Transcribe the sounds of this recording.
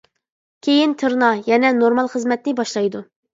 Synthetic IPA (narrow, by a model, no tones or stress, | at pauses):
kʲʰejint̪ʰɨɾnɑjɛnɛnoɾmɑlˠχəzmɛt̪nɪbɑʃlˠɑjd̪u